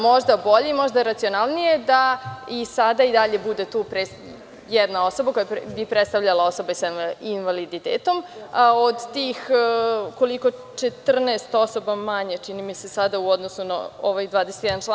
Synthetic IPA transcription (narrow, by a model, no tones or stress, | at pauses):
mo̞ʒd̪abo̞ʎeimo̞ʒd̪aɾat̪sio̞nalˠnije̞d̪aisad̪aid̪aʎe̞bud̪e̞t̪uːpɾe | jɛd̪nao̞so̞bako̞japbipɾet̪st̪avʎalao̞so̞baisainʋalid̪it̪eːt̪o̞mod̪t̪iːx | ko̞liko̞t͡ʃet̪r̩neːst̪o̞so̞bamaɲet͡ʃinimise̞sad̪auod̪nosuna̰oʋajd̪ʋaːd̪ese̥t̪jɛd̪ant͡ʃa